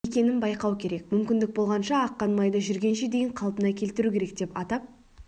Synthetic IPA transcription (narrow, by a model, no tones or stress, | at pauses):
e̞kʲe̞nɪnbɑjqɑwkʲʰe̞ɾe̞kmʏmkʲɪnd̪ɪk̚bo̞lˠʁɑnʃɑːqːɑnmɑjd̪əʒʏɾɡʲe̞nʃed̪e̞jɪɴqʰɑlˠpənɑkʲʰe̞lt̪ɪɾukʲe̞ɾe̞k̚d̪e̞pɑt̪ɑp̚